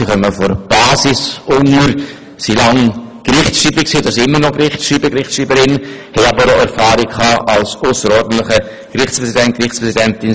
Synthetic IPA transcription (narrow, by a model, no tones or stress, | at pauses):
iχœməfɔɾb̥ɑːsɪsʔʊŋəɾ | silɑŋɡ̥rɪχtsʃriːbəksiːd̥ɑsiɪmːənɔɡɾɪχtsʃiːbəɡɾɪχsriːbəɾɪnhɛɑbəɾoɛɾfaːɾikʰɑːʔalsoʊsəɾɔːɾdn̩tlɪχə | ɡ̥ɾɪχt͡sspʁɛsidɛnt̚krɪχt͡spʁɛsidɛntɪn